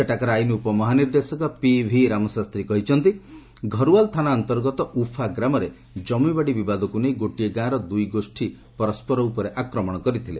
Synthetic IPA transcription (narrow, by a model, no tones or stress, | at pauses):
eʈakɔɾajnuːpɔmɔɦaniɾd̪esɔkɔpibʱiɾamɔsast̪ɾikɔɦit͡ʃʰɔnt̪iɡʱɔɾualt̪ʰanaɔnt̪ɔɾɡɔt̪ɔʔupʰaɡɾamɔɾe | d͡ʒɔmibaɽibibad̪ɔkunejɡoʈieɡãɾɔd̪ujɡosʈʰi | pɔɾɔspɔɾɔupɔɾeʔakɾɔmɔɽ̃ɔkɔɾit̪ʰile